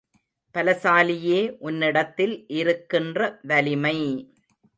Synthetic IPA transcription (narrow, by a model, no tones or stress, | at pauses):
pɐlɐsaːlɪjeːʔʊnːɪɽɐt̪ːɪlʔɪɾɯkːɪndrɐʋɐlɪmɐɪ